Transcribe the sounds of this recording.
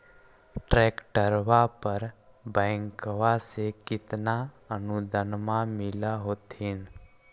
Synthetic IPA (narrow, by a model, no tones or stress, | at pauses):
ʈɾekʈəɾʋapəɾ | bɛ̃ŋkʋasekɪt̪na | ənud̪ʱənmãmɪlaɦoːt̪ɦin